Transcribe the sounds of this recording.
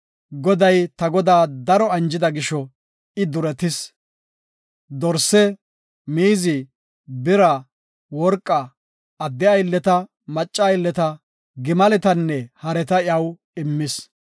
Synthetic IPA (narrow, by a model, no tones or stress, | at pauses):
ɡɔd̪ɐjt̪ɐɡɔd̪aːd̪ɐɾɔɐnd͡ʒɪd̪ɐɡɪʃɔ | ɪd̪ʊɾɛt̪ɪs | d̪ɔɾsːɛ | miːzɪ | bɪɾɐ | wɔɾkʼːɐː | d̪ːɪɐjlːɛt̪ɐ | mɐt͡ʃʼːɐjlːɛt̪ɐ | ɡɪmɐlɛt̪ɐnːɛhɐɾɛt̪ɐɪjɐw | ɪmːɪs